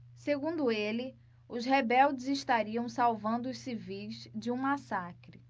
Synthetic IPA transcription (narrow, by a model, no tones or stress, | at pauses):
seɡũnd̪ʊelɪ | ʊzhebɛwd͡ʒɪzɪʃt̪aɾiɐ̃w̃sawvɐ̃nd̪ʊʊssivijzd͡ʒɪũmasakɾɪ